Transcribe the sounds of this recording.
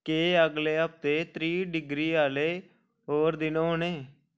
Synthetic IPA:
keːəɡleːəp̚t̪eːt̪ɾiːɖɪɡɾiːaːleː | ɦoːɾd̪ɪnõːɦoneː

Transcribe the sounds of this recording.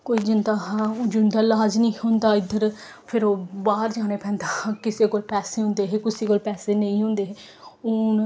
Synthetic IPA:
koːiːd͡ʒɪnd̪aːɦad͡ʒʊnd̪aːlaːd͡ʒnĩːhʊ̃nd̪aːɪd̪əɾ | pʰɪɾoːbaːɾd͡ʒaːñeːpɛ̃ːnd̪aːhãːkɪseːkoːlpɛːseːɦʊ̃ːnd̪eːɦeːkʊsiːkoːlpɛːseːnəĩːɦʊ̃ːnd̪eːɦeː | ʊn

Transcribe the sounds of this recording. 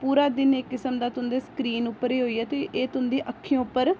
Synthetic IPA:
puːɾaːd̪ɪneːkːɪsəmd̪aːt̪ʊnd̪eːskɾiːnʊpːəɾeːɦoːiːɛːt̪eːʔeːt̪ʊnd̪iːʔəkʰːijõːpːəɾ

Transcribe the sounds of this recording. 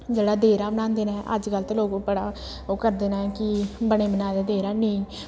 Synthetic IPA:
d͡ʒeːɽaːd̪eːɾaːbənãːnd̪eːnaɦɛ̃ʔə̰d͡ʒkəlt̪eloːkoːpəɽaː | oːkəɾd̪eːnãːɦɛkɪbəɽ̃eːbənaːd̪aːd̪eːɾaːnẽː

